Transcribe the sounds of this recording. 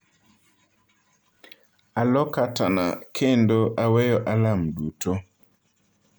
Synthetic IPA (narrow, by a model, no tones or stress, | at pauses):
alɔkatana̰kʰendoʔawɛjɔʔalamduto